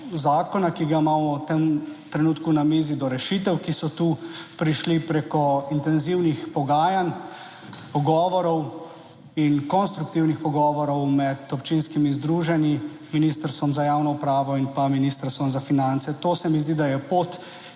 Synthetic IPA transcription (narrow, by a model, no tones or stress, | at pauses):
zaːkɔnakiɡamaːmɔwt̪emt̪ɾɛnuːt̪kunameːzid̪ɔɾɛʃit̪ɛwkisɔt̪uːpɾiʃlipɾeːkɔint̪ɛnziwnixpɔɡaːjan | pɔɡɔːʋɔɾɔw | inkɔnst̪ɾukt̪iwnixpɔɡɔːʋɔɾɔwmɛt̪ɔpt͡ʃinskimizd̪ɾuːʒɛni | miniːst̪əɾst̪ʋɔmzajaːwnɔupɾaːʋɔinpaminist̪əɾst̪ʋɔmzafinantsɛt̪oːsɛmizd̪id̪ajɛpoːt̪